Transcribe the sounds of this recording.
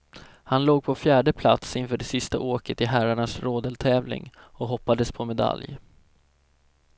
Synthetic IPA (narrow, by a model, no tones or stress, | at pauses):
hanloːɡ̚pʰɔfjæːɖəpʰla̰t̪sɪnfœːɖɛsɪst̪a̰ʔoːkət̪ɪɦæɾaɳasɾoːd̪əlt̪ʰɛːvlɪ̰ŋ | ɔɦɔpːad̪əspʰɔmɛd̪a̰lj